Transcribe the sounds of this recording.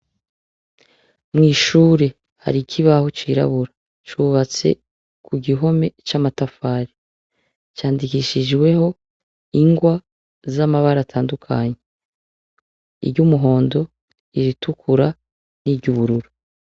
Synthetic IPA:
mŋiːʃuːɾe̞ | ha̰ɾikʰiβaho̞t͡ʃiːɾa̰βuɾa | t͡ʃuβat͡se̞̰ | kʰuɡiɦo̞me̞t͡ʃamatafaːɾi | t͡ʃaːndikiʃid͡ʒɡwe̞ho̞ | iŋɡwa | zamaβaɾatʰaːndukʰa̰ɲe | ḭbɟumuɦo̞ːndo̞ | iɾitukʰuɾa | nibɟuβuɾuɾu

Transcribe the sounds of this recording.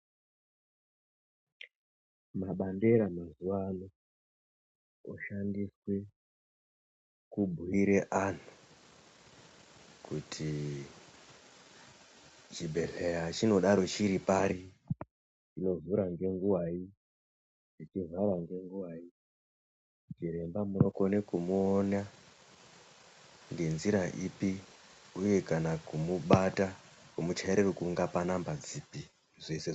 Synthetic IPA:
maɓande̞ɾamazuwano | oʃandiswe̞ | kubʱuiɾeʔan̤u | kutʰi | t͡ʃibʱe̞ɮejat͡ʃino̞ɗaɾo̞t͡ʃiɾipaɾi | t͡ʃino̞vuɾaŋɡe̞ŋɡuwai | it͡ʃizaʋaŋɡe̞ŋɡuwai | t͡ʃiɾembamunokonekumuːna | ŋɡe̞nziɾaʔipiuje̞kanakumuɓata | kumut͡ʃaeɾerokuŋɡapanambad͡zipi | ʐe̞se

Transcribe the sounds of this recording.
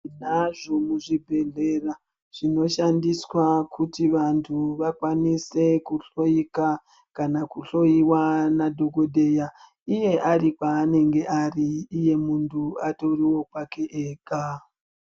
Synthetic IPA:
naʐo̞muʐibʱe̞ɮe̞ra | ʐ̥ino̞ʃandiswakutiʋantʰuʋakwanise̞kuɬo̞ika | kanakuɬo̞iwanadʱo̞ɡo̞dʱe̞ja | ije̞ʔarikwaːne̞ŋɡe̞ʔariːje̞muntʰuato̞riwo̞kwake̞ʔeːka

